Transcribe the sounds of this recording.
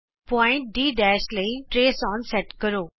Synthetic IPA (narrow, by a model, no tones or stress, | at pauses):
pɔːɪ̃ɳʈ̚ɖiːɖɛːʃləiʈɾeːsɔːnsɛʈkəɾoː